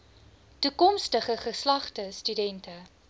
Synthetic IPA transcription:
tukɔmstəχəχəslɐχtəstydɛntə

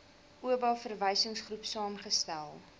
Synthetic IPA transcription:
ʔuəbɑlfərvəjsəŋsχrupsɑːmχəstælˠ

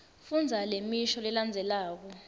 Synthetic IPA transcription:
fund͡zʱalemiʃɔlɛland͡zʱɛlaːk̬ɔ

